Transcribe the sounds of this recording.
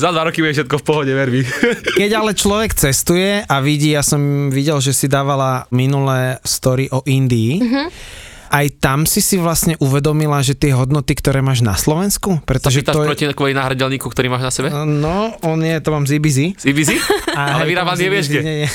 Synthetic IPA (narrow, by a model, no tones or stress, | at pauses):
zad̪ʋaɾɔkibɛfʃɛt̪̚kɔfpɔɦɔɟɛʋɛɾʋikkɛɟalɛt͡ʃlɔʋɛkt͡sɛst̪ujɛʔaʋiɟiːjasɔmʋiɟɛlʒɛsid̪aːʋalaminulɛːst̪ɔɾiʔɔʔind̪iː | ʔajt̪amsisiʋlasɲɛʔuʋɛd̪ɔmilaʒɛt̪ɪɛɦɔd̪nɔt̪ikt̪ɔɾɛːmaːʒna̰slɔʋɛnskupɾɛst̪ɔʒɛt̪aʃɔpɾɔciakɔinaːɦɾaɟɛlɲiːkukt̪ɔɾiːmaːʒnasɛbɛnɔɔnjɛt̪ɔmaːmzibizizibiziaalɛʋit̪aazɛʋɪɛʃɛɲɛɲɛ